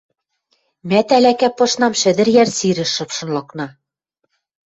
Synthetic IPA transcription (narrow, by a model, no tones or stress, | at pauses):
mæt̪ælækæpɤ̆ʃnɑmʃɘ̆ðɘ̆ɾjæɾsiɾɘ̆ʃɤ̆pʃɤ̆nlˠɤ̆knɑ